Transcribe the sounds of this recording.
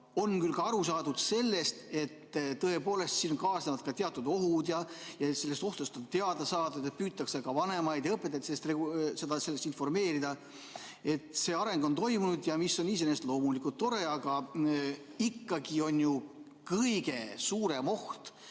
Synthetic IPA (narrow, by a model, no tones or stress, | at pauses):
o̞nkylkɑɑɾusɑːd̪ud̪̥se̞lːe̞st̪e̞t̪ːɤe̞po̞ːle̞st̪siːnonkɑːsnevɑd̪̚kɑt̪eɑt̪ːˑud̪o̞ɦud̪jɑjɑet̪se̞lːest̪o̞ht̪ost̪ont̪e̞ɑd̪ɑsɑːd̪ud̪et̪̚pyːt̪ːˑɑksekɑvɑne̞mɑjd̪̥jɤpːet̪ːˑɑt̪seːst̪rese̞d̪ɑse̞lːe̞st̪info̞rme̞ːɾid̪̥ɑ | e̞t̪se̞ːɑɾe̞ŋɡo̞nt̪o̞jmunud̪jɑmiso̞nis̬e̞neːst̪lo̞ːmulikult̪ːo̞ɾe̞ɑɡ̥ɑ | ikːɑɡio̞nju | kɯjɡ̥e̞suːɾe̞mo̞ht̪